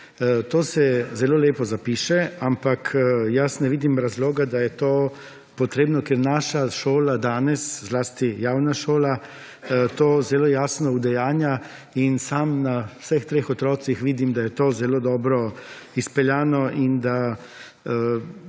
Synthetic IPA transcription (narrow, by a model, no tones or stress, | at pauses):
t̪oːsɛzɛloːleːpɔzapiːʃɛampakʰjasnɛʋiːd̪imɾazloːɡad̪ajɛt̪oː | pɔt̪ɾeːbnɔkeɛɾnaːʃaʃoːlad̪aːnɛszlaːst̪ijaːwnaʃoːla | t̪oːzɛlojaːsnɔud̪ɛjaːnja | insamnawsəxt̪ɾeːxɔt̪ɾɔːsixʋiːd̪imd̪ajɛt̪oːzɛloːd̪ɔːbɾɔ | ispɛljaːnɔʔind̪a